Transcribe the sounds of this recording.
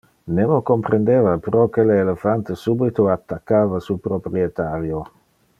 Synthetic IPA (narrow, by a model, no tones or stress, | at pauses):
nemokompɾend̪evapɾɔkeleːlefant̪esubit̪oat̪ːakːaːvasupɾopɾiet̪aɾjo